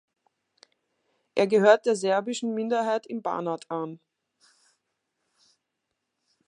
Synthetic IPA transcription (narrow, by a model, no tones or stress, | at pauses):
ʔeːɐɡəɦøːɐt̚d̥eːɐzɛɐbɪʃn̩mɪndɐɦaɪtɪmba̰ːnatʰʔan